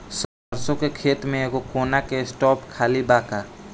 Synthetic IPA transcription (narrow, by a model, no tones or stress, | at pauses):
sɔbəɾsõkekʰeːt̪mẽeɡokoːnakeɪsʈɔːpkʰaːlibaːkaː